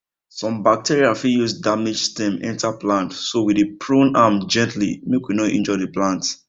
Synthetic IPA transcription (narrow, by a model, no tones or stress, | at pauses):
sɔ̃mbak̚tʰiɹiafijusdamed͡ʒstĩmɛ̰̃ntaplãntsowidipʰɹõnamd͡ʒɛ̃ntlḭmekwinɔʔɛ̰̃nd͡ʒɔɪdiplãnt